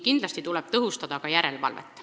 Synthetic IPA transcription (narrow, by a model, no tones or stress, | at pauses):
kind̪̥lɑsʲt̪it̪ulɛb̥̚t̪ɤɦust̪ɑd̪̥ɑkɑjæɾe̞lvɑ̰lvḛt̪ːˑ